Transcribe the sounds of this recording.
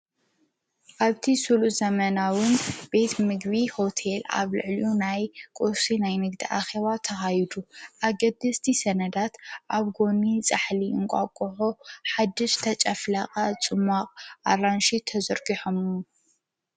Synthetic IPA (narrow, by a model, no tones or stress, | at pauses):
ʔaβt̪ʰisuluzɐmɐnawɨnb̥e̞t̪mɨɡβiho̞t̪ʰela̰βlɨ̰ʕliunajkʼosinajnɨɡd̪iʔaxeβat̪ʰɐxajd̪uʔaɡɐd̪ɐst̪ʰisɐnɐd̪at̪ʔaβɡo̞nit͡sʼaħliɨŋkʷʼakʼoħoħad̪ːɨʃt̪ʰɐt͡ʃʼɐflaχʼat͡sʼɨmaqʼʔa̰ɾanʃit̪ʰɐzɐɾɡiħom